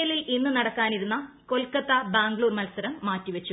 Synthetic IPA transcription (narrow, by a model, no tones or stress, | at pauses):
jɐlilinːɨnɐɽɐkːaːniɾunːɐ | ko̞lkɐt̪ːɐbaːŋɡɭuːrmɐlsɐɾɐmːaːtːiʋɐt͡ɕːu